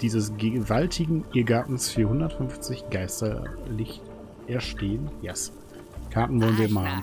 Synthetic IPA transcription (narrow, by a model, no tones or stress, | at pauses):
d̥iːzəsɡvaltʰɪɡŋ̩ʔiɐɡaɐtn̩sfiːɐhʊndɐtfʏnft͡sɪçɡ̥aɪstɐ̰lɪçt | ʔɛɐʃteːənjɛs | kʰaɐtn̩vɔlənviɐmaːln